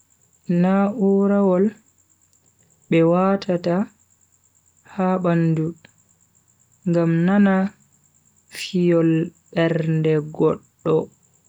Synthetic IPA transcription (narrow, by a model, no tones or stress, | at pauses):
naʔuɾawɔl | bɛwaːtʰata | haɓandu | ŋɡamnana | fijɔlɓɛɾndɛɡɔɗːɔ